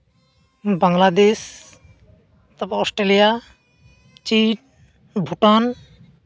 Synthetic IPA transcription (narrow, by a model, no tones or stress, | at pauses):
baŋlad̪es | t̪ɔbeɔsʈɾelija | t͡ʃiʈ | bʱuʈan